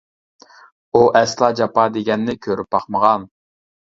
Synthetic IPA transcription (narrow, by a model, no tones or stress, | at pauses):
uʔɛslˠɑːd͡ʒɑpɑd̪eɡʲɛnːɪkʲʰøɾyp̚bɑχməʁɑn